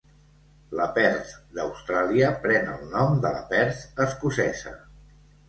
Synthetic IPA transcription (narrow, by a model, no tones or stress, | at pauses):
ləpɛɾθd̪əwst̪ɾaliəpɾɛnəlˠnɔmd̪ələ̰pɛɾθəskusɛzə̰